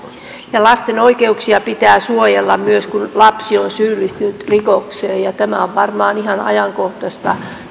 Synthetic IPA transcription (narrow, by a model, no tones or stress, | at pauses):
jɑlɑst̪enoikeuksiɑpit̪æːsuojelːɑmyøskunlɑpsionsyːlːist̪ynyt̪rikokseːjɑt̪æmæoʋʋɑrmɑːnihɑnɑ̰jɑŋkoht̪ɑst̪ɑ̰